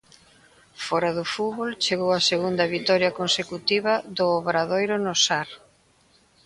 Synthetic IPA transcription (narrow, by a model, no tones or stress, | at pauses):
fɔɾɐðʊfuβolt͡ʃeɣowɐseɣund̪ɐβit̪ɔɾjɐkonsekut̪iβɐðʊːβɾaðojɾʊnosaɾ